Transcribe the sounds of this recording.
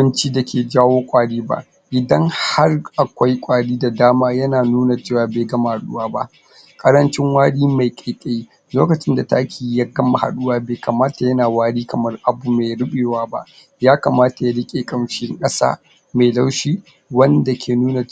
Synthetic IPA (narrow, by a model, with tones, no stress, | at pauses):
ʊ˦nt͡ʃiː˦da˨kʲʰeː˨d͡ʒaː˦woː˦kʷʼaː˦ɽiː˦ba̰˦ʔ | ʔɪ˨dɐ˦ŋha˦rʔa˨kʷa˦jkʷʼaː˦ɽiː˦da˨daː˦maː˦jɐ˦naː˨nuː˦na˨t͡ʃeː˦˨waː˨beː˨ɡɐ˦ma˨ha˨ɗʊ˦waː˦ba˦ʔ | kʼɐ˦ɾɐ˦nt͡ʃɪ˦ŋwaː˦ɽiː˦ma˨jkʼe˨kʲʼe˦ | loː˦kɐ˨t͡ʃɪ˦nda˨ta˦kʲiː˨˦ja˦ɡɐ˦ma˨ha̰˨ɗʊ˦waː˦beː˨kɐ˨maː˦ta˨jɐ˦naː˨waː˦ɽiː˦kɐ˨mɐ˦rʔa˨bu˨me˨jɽɪ˦ɓeː˨waː˦ba̰˦ʔ | jaː˦kɐ˨maː˦ta˨ja˦ɽɪ˦kʲʼeː˨kʼɐ˨mʃɪ˦ŋkʼɐ˦sa̰ː˦ | ma˨jla˦wʃiː˦ | wɐ˦nda˨kʲʰeː˨nuː˦na˨